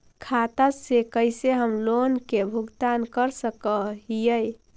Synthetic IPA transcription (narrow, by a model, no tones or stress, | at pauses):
kʰat̪asekəɪseɦəmlonkebʱuɡt̪ankəɾsəkəɦijəj